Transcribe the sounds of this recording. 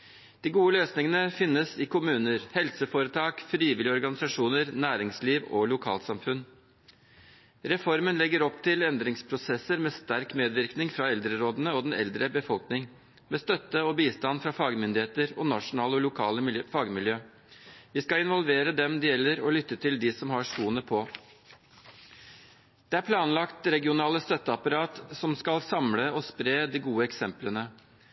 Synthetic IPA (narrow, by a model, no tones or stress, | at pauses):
d̪̥iːɡuːəløːsnɪŋənəfɪnːəsɪkʊmʉːnəɾhɛlsəfoːɾət̪ʰɑːkfɾiːʋɪlɪɔɾɡɑnɪsɑʂuːnəɾnæːɾɪŋsliːʋɔ̰lʊkʰɑ̰ːlt̪sɑmfʉn | ɾɛfɔɾmənlɛɡːəɾɔpt̪ʰɪlɛnd̪ɾɪŋspʰɾʊsɛsːəɾmeːst̪æɾkmeːd̪ʋɪɾknɪŋfɾɑɛld̪ɾəɾoːd̪ənəɔd̪ɛnɛ̰ld̪ɾəbəfɔlknɪŋ | meːst̪œt̪ːəɔbiːst̪ɑnfɾɑfɑːɡmʏnd̪ɪheːt̪əɾɔnɑʂʊnɑːləɔlʊkʰɑːləfɑɡmɪljøː | ʋɪskɑɪnʋɔlʋeːɾəd̪ɛmd̪ɛjɛlːəɾɔlʏt̪ːət̪ʰɪld̪ɪsɔmɦɑʂkuːənəpʰɔ | d̪̥ɛæɾpʰlɑːnlɑkt̪ɾɛɡɪʊnɑːləst̪œt̪ːəɑpɑɾɑːt̪sɔmskɑlsɑmləɔspɾeːd̪ɪɡuːəɛksɛmplənə